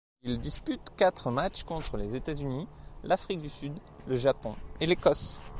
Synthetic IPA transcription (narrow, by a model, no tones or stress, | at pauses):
ild̪ispyt̪kʲat̪χəmat͡ʃkɔ̃t̪χəlezet̪azynilafχik̚d̪ysyd̪ləʒapɔ̃elekɔs